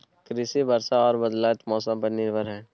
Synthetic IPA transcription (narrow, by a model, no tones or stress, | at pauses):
kɾɪsibəɾsaɔːɾbəd̪laːjt̪mɔːsə̃mpəɾnɪɾbʱəɾɦɛ̃ː